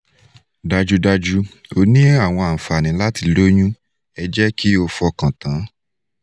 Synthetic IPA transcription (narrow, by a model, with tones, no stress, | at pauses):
da˧d͡ʒu˧da˧d͡ʒu˧o˧nĩ˦a˦˨w̃ɔ̃˧a˨fa˨nĩ˨˦la˦ti˧lo˦j̃ũ˦ | ɛ˧d͡ʒɛ˦ki˦o˧fɔ˧kã˨tã˨˦